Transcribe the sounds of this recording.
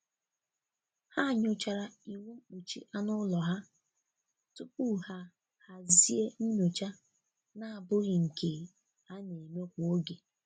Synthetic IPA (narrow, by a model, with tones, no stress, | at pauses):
ha˦˨ɲʊ˨t͡ʃa˨ɾa˨i˨wu˦ŋ͡m̩˦k͡pu˨t͡ʃḭ˦ʔa˦nʊ˦lɔ˨ɦa˦ | tʊ˦pu˦ha˦ | ha˦˨zi˦e˦n̩˦no˨t͡ʃa˦ | na˨a˨bʊ˦ɣɪ˨ŋ̩˨kʰe˨ | ha˦ne˨me˦kʷo˦ɡe˨